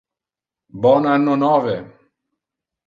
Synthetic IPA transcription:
bɔnanːonɔvɛ

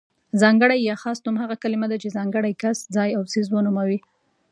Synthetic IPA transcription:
zɑŋɡəɽajːɑxɑst̪ʊmhaɣakalimad̪at͡ʃezɑŋɡəɽajkasd͡zɑjawsizwənumawi

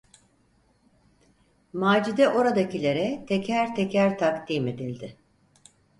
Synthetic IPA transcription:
maːd͡ʒid̪ɛʔo̞ɾad̪acilʲeɾɛt̪ʰecʰæɾt̪ʰecæɾt̪ʰakt̪iːme̞d̪ilʲd̪ɪ

